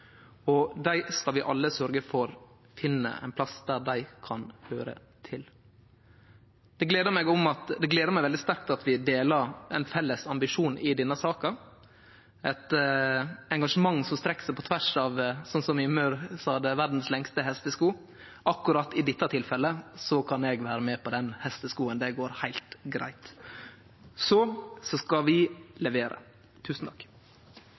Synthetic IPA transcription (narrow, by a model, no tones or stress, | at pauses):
ɔd̪æɪskɑlʋɪʔɑ̰lːəsœɾɡəfɔɾ | fɪnːə̰ʔæ̰ɪnpʰlɑsd̪æd̪æɪkʰɑnhøːɾə̰ | t̪ʰɪl | d̪ɛɡleːd̪əmɛɡɔmɑt̪d̪ɛɡleːd̪əɾmæɪʋɛld̪ɪst̪æɾk̚t̪ɑt̪ʋɪd̪eːlɑɾɛɪnfɛlːəsɑmbɪʂuːnɪd̪ɛnːəsɑːkə | ɛt̪ | ɛŋɡɑʂəmɑŋːsɔmst̪ɾɛkːsæɪpʰɔt̪ʰʋæʂɑʋsɔnsɔmɪmœɾsɑːd̪əʋæɖn̩slɛŋst̪əɦɛst̪əskuː | ʔɑkːʉɾɑt̪ːɪd̪ɪt̪ːɑt̪ʰɪlfɛlːəsɔkʰɑnɛɡʋæːɾəmɛpʰɔd̪ɛnhɛst̪əskuːənd̪ɛɡoːɾhæɪlt̪ɡɾæ̰ɪt̪ | sɔsɔskɑʋɪlɛʋeːɾə̰ | t̪ʰʉːsn̩t̪ʰɑ̥kː